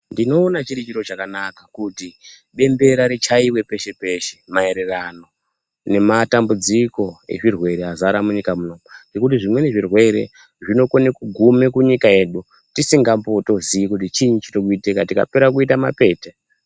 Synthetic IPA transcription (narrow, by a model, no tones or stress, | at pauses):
ndino̞ːnat͡ʃiɾit͡ʃiɾo̞t͡ʃakanakakuti | ɓe̞mbe̞ɾaɾet͡ʃaiwe̞pe̞ʃe̞pe̞ʃe̥mae̞ɾe̞rano̞ | ne̞matambud͡ziko̞e̞̰ʐirwe̞ɾeazaɾamuɲikamuno̞mud͡ʒe̞kutiʐimwe̞ne̞ʐirwe̞ɾe̞̰ | ʐino̞konekuɡʱumekuɲikae̞ɗu | tisiŋɡampo̞to̞ziikutit͡ʃiɲit͡ʃitokuitekatika̰peɾak̬uit̬ama̰pe̞ːte